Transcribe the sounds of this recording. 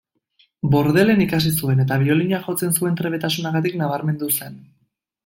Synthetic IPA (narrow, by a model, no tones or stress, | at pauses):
bo̞ɾðe̞le̞nikas̬isue̞ne̞t̪aβ̞io̞liɲaʝo̞t͡se̞nsue̞nt̪ɾe̞βe̞t̪asunaɣat̪iknaβaɾme̞nd̪use̞n